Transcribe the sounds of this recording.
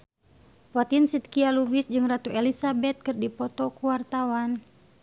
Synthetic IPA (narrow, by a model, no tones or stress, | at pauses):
pɔt̪insit̪̚kialubisd͡ʒɨŋrat̪uʔɛlisabɛt̪̚kɨrdipɔt̪ɔkuwart̪awan